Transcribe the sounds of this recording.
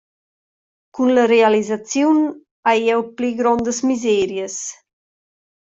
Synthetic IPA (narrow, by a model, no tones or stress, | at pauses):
kunləɾealizat͡sjun | ajɛwpliɡɾɔnd̪əsmizɛɾjəs